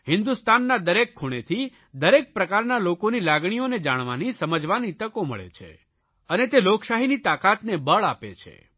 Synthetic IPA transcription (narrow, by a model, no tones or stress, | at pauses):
hɪnd̪ust̪anːad̪əɾekʰːuɽ̃et̪ʰi | d̪əɾek̚pɾəkaɾnalokonilaɡɽ̃ioned͡ʒaɽ̃ʋa̰nisəməd͡ʒʋanit̪əkomə̰ɭḛt͡ʃʰḛ | ənet̪eloksaɦinit̪akat̪nebəɭapḛt͡ʃʰḛ